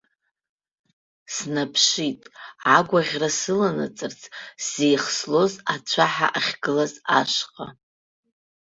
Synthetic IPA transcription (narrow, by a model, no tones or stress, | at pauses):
snapʰʂitʼaɡʷaʁʲrasɨlanɨt͡sʼɨrt͡sʰz̥ejχslo̞zat͡ɕʷʰaħa̰ʔaχʲɡɨlaza̰ʃqʼa